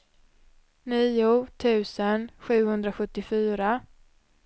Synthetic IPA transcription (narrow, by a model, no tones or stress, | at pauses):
niːʊt̪ʰʉ̟ːsənɧʉ̟ːhɵnd̪ɾaɧɵt̪ːɪfyːɾa